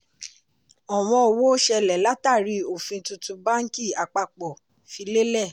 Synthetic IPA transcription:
ɔ˨w̃ɔ̃˧o˨wo˦ʃɛ˧lɛ˨la˦ta˦˨ɾi˨˧o˦˨fĩ˧tũ˧tũ˧ba˦ŋ̩˦ki˦˨a˨k͡pa˧k͡pɔ˨ | fi˨˧le˦lɛ˦˨

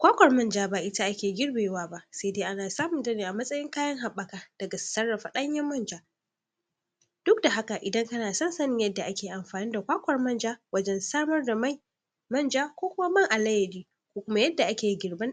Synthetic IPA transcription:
kʷaː˦kʷɐ˨rmɐ˦nd͡ʒaː˦ba˨ʔɪ˦ta˦ʔa˦kʲeː˨ɡʲɪ˦ɽbeː˨waː˦ba˦ʔse˦deː˦ʔa˦naː˨saː˦mʊ˨ntɐ˦neː˨ʔa˨mɐ˦sʼɐ˦jɪ˦ŋkaː˦jɐ˦ŋɦa˨ɓɐ˨kaː˨d̥ɐ˨ɡa˨sɐ˦rːɐ˨ɸa˨ɗɐ˦ɲjɐ˦mːɐ˦nd͡ʒaː˦ | d̥ʊ˦k̚da˨ɦa˦ka˨ʔɪ˨dɐ˦ŋkɐ˦naː˨sɐ˦nsɐ˦nɪ˨ŋjɐ˦dːa˨ʔa˦kʲeː˨ʔa˨mɸaː˨niː˦da˨kʷaː˦kʷɐ˨rmɐ˦nd͡ʒaː˦wɐ˦d͡ʒɛ˦nsaː˦mɐ˦rda˨ma˦˨ | mɐ˦˨nd͡ʒaː˦kʷoː˦kʷʊ˦ma˦mɐ˦ŋʔa˨lɐ˦jɐ˨diː˦ | kʷoː˦kʷʊ˦ma˦jɐ˦dːa˨ʔa˦kʲeː˨ji˦ɡʲɪ˨rbɐ˦n

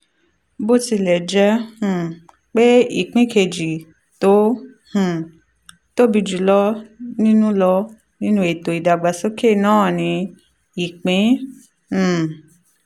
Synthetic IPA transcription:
bo˦ti˧lɛ˨d͡ʒɛ˦h̩˨ | k͡pe˦ḭ˦˨k͡pĩ˦kʰe˧˨d͡ʒi˨ | to˨˦ | h̩˨ | to˦bi˧d͡ʒu˨lɔ˦nĩ˦nũ˦lɔ˧ | nĩ˦nũ˦e˨to˨i˨da˨ɡ͡ba˨so˦ke˦˨nãː˦˨nĩ˧ | i˨k͡pĩ˨˦˨

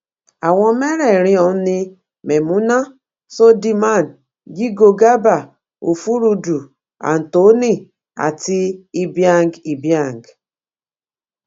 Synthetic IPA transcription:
a˨wʷɔ̃˦me˦ɾe˨ɾɪ˦ɔ˨n̩˦nɪ˦ | me˨mu˦na˦ | so˦di˦ma˦˨n˨ | ɡi˦ɡo˨ɡa˦ba˨ | o˨fu˦ɾu˦du˨ | a̰˨n̩˨to˨˦ni˦˨ | a̰˨tɪ˦i˦bja˦ŋ˦ɡi˨bja˦˨ŋ˨ɡ

